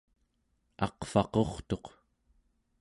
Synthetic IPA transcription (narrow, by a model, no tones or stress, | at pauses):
ɑ̰qfɑqo̞χt̪o̞q